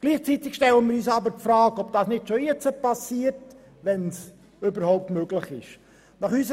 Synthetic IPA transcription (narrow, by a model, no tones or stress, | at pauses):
ɡ̥liːχt͡sit̪ɪkʃtɛlənmiːɾyːsɑbəɾpfɾɑːkɔb̚d̥ɑːsnɪtʃojɛt͡səpɑsiːərt | ʋɛns | ʏbəɾhɔʊp̚tmøɡlɪχɪʃ | nɑχysə